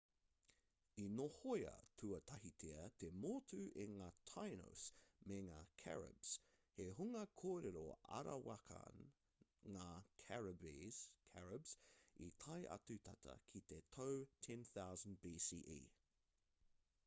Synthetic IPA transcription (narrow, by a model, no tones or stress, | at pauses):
inohojɐ̰tʰuɐt̪ʰɐɦit̪ʰeɐt̪ʰemoːt̪ʰʉʔeŋaːt̪ʰajno̰smeŋaːkʰɛ̰ɹə̰bs | heɦuŋɐkʰoːɾeɾoɐ̰ɾɐwakʰɐ̰n | ŋaːkʰɛɹɐbiz̥kʰɛɹəbsḭt̪ʰɐjʔɐ̰t̪ʉt̪ʰɐt̪ʰɐ̰kʰit̪et̪ʰowtʰɛ̃nθawzənd̚biːsiːʔḭː